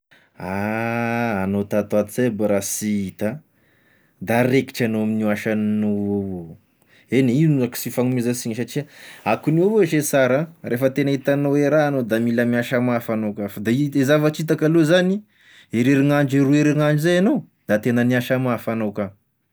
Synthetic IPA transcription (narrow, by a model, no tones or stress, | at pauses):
aː | not̪at̪at̪isebaɾasiit̪a | d̪aɾeki̥ʈ͡ʂanoaminuaʃannoovo | eneinuaki̥sifaŋumezasiɲs̬aʈ͡ʂiaakuniovoʃesaɾãrʔefət̪enait̪anoweɾaːnod̪amilamiaʃamafanokafad̪aiezavat͡ʃit̪̬akalozani | eɾeɾiŋaɳd͡ʒirueɾiŋaɳd͡ʒizajanow | d̪̥at̪enəniaʃamafanowka